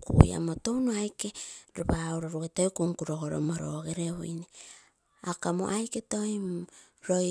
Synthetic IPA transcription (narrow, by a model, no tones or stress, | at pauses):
kṵj̰a̰motownoajke̞ɾoβawɾoɾuɡetojkuŋkuɾoɡoɾomaɾoɡeɾeβo̰jne | akamo̰ʔajketojm | ɾo̞